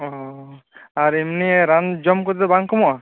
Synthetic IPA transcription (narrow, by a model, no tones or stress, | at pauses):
ɔ | aɾimniɾand͡ʒɔmkɔt̪t̪ɛbaŋkɔmɔa